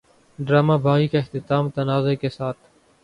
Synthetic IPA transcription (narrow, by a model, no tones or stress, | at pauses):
ɖɾaːmaːbʱaːɣikaɪxt̪ɪt̪aːmt̪ɐnaːzeːkesaːt̪ʰ